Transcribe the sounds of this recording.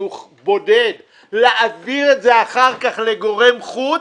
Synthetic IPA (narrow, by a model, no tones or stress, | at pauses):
uχ | bo̞ded̪ | leʔabiʁetze̞aχaʁkaχle̞ɡo̞ʁe̞mχu